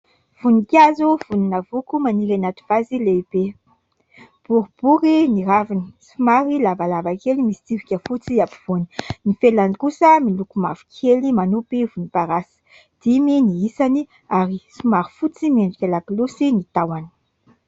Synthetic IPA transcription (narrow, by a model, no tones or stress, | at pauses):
v̥unikʲazuv̥uninəvukumaniɾanat̪i̥v̥azileib̥e | b̥uɾib̥uɾiniɾavini̥sumaɾilavalavakelimisi̥t͡s̪ivikʲəfut͡siapi̥v̥uni̥nifelanikusəmilukumafi̥kʰelimanupivunipaɾasə̥ | d̪̥iminiisani | aɾisumaɾi̥fut͡simeɳɖ͡ʐikʲalaklusinit̪awani̥